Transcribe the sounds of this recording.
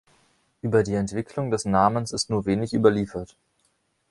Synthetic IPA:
ʔyːbɐdiːɛntv̥ɪkʰlʊŋdɛsnaːmənsɪstnuːɐveːnɪçʔy̰ːbɐliːfɐt

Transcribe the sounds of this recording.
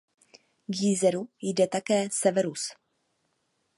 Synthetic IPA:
ɡjizɛɾujdɛt̪akɛːsɛvɛɾus

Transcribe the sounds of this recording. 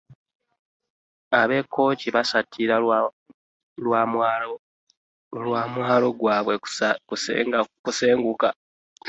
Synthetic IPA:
aβe̞kʰːo̞ːciβasatʰːiɾa | lwam | lwaːmwaːlo̞ɡwaːβwe̞kuskuseːŋɡuka

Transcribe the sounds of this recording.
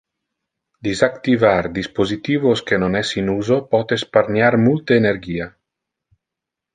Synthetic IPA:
d̪izakt̪ivaɾd̪ispozit̪iːvoskenonɛsinuzopɔt̪esparnjaɾmult̪eːneɾɡiːa

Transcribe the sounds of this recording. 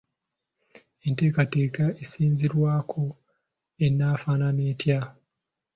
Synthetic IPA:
e̞nte̞ːkate̞ːkaesiːnziɾwaːkʰo̞ | enːaːfaːnaneːtja

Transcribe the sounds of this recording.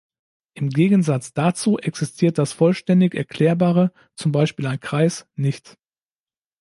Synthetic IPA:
ʔɪmɡeːɡn̩zat͡sd̥at͡suːʔɛksɪstʰiːɐt̚d̥asfɔlʃtɛndɪçɛɐkl̥ɛːɐbaːʁə | t͡sʊmbaɪʃpiːlaɪnkʁ̥aɪsnɪçt

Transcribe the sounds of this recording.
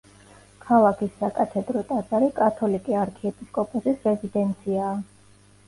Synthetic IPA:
kʰalˠakʰisːakʼat̪ʰɛd̪ɾɔt̪ʼazaɾikʼat̪ʰɔlikʼiaɾkʰɛɛpʼiskʼɔpʼɔsisɾɛzid̪ɛnt̪sʰiaː

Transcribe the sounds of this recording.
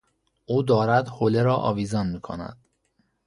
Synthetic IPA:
ʔuːd̪ɒːɾæd̪holeɾɒːʔɒ̰ːviːzɒːnmiːkʰo̰næ̰d̪̥

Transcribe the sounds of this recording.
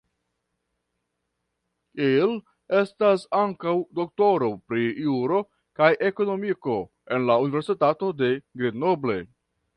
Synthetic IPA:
il | e̞stasaŋkawdo̞k̚to̞ɾo̞pɾiuɾo̞ | kajʔe̞ko̞no̞miko̞ | e̞nlaunive̞ɾsitato̞de̞ɡɾidno̞ble̞

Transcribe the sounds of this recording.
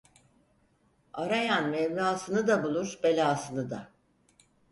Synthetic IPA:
aɾajanmɛmnaːsɯnɯd̪abulˠuɾbe̞lʲaːsɯnɯd̪a

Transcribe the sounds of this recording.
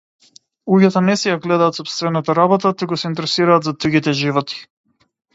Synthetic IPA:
uɡat̪ɔnɛsɛjaɡlɛd̪aːt̪sɔpst̪vɛnat̪aɾabɔt̪at̪uɡɔsɛint̪ɛɾɛsiɾaːd̪zad̪ɾuɡit̪ɛʒivɔt̪i̥

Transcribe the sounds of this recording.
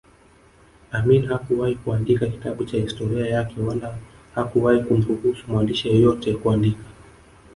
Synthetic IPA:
aminihakuwahikuandikaki̥taɓut͡ʃahistɔɾiajakɛwala | hakuwahikum̩ɾuhusumwandiʃijɔjɔtɛkuandikḁ

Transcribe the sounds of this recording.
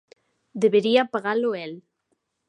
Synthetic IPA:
d̪eβeɾiapaɣaloɛl

